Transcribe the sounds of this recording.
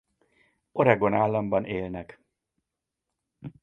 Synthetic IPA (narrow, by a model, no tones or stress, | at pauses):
o̞ɾɛɡo̞naːlːɒmbɒneːlnɛk